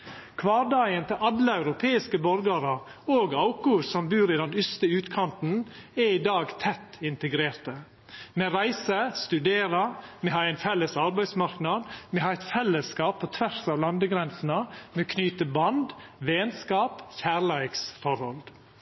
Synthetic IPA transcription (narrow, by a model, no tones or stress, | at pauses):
kʰʋɑːɾd̪ɑɪənt̪ʰɪlʔɑd̪ləɑʉɾʊpʰeːɪskəbɔɾɡɑɾə | oːɡɑʊkʊsɔmbʉːɾɪd̪ɛnʏst̪əʉːt̪kʰɑnt̪nɛiːd̪ɑːɡt̪ʰɛt̪ːɪnt̪əɡɾeːɾt̪ə | meːɾæɪsəst̪ʉd̪eːɾɑmɛhɑːɾæɪnfɛlːəsɑɾbæɪsmɑɾknɑd̪mɛhɑːɛɪt̪fɛlːəskɑːpʰːot̪ʰʋæɾsɑʋlɑnd̪əɡɾɛnsnəmeːkʰnyːt̪əbɑnd̪ʋeːnskɑːpçæːɾɭæɪksfɔɾhɔld̪